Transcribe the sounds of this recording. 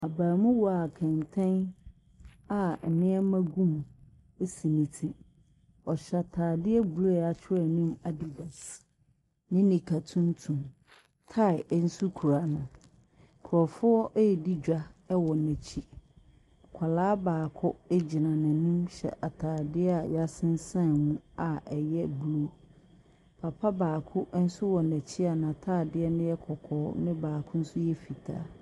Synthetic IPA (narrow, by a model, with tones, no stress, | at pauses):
a˨baː˨mʊ̃˦wɔ˨a˨kʰɛ̃˨ntʰɛ̃˦n | a˦m̩˨mɪ̃˦ɛ˦mã˦ɡũ˦m˨ | e˦si˨nĩ˨tʰi˦ | ɔ˨ɕɛ˨a˨tʰaː˨dɪ˦ɛ˦bu˨ɾe˦˨a˨t͡ɕʰɪ˦ɾɛ˨nʊ̃˦ma˦di˨ba˨s | nɪ̃˦nɪ̃˨kʰa˨tʰũ˦ntʰũ˨m | tʰa˦˨ɪ˨˦n̩˦su˦kʰu˨ɾa˦nʊ̃˨ | kʰʊ˨ɔ˨fʊ˦ɔ˦ʔɛ˦ɛ˨di˦d͡ʑᶣa˦ɛ˦wɔ˨nɛ̃˨t͡ɕʰi˦ | kʷʰa˨laː˦baː˨kʰɔ˦e˦d͡ʑi˨nã˨nã˨nũ˦mɕɛ̰˨ʔa˨tʰaː˨dɪ˦ɛ˦a˨ja˦sɪ̃˦n˦sã˦˨mũ˦a˨ɛ˨jɛ˦blu˦ | pʰa˨pʰa˦baː˨kʰʊ˦ʔn̩˦sʊ˦wɔ˨nɛ̃˨t͡ɕʰi˦a˨nã˨tʰaː˦˨dɪ˦ɛ˦nɪ̃˦jɛ˦kʰɔ˨kʰɔː˨˦nɪ̃˦baː˨kʰʊ̃˦n̩˦sʊ˦jɛ˦fi˨tʰa̰ː˦